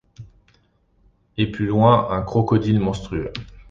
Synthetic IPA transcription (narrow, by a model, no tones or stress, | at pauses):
eplylwɛ̃ʔɛ̃kχɔkɔd̪ilmɔ̃st̪χyø